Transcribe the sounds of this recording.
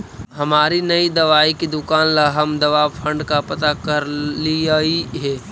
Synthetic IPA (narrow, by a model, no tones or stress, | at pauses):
ɦɐmaːɾinɐid̪ɐʋaːikid̪ʊkaːnlaɦɐmd̪ɐʋaːfʰɐ̃ɳɖkapɐt̪akɐɾliaiɦɛː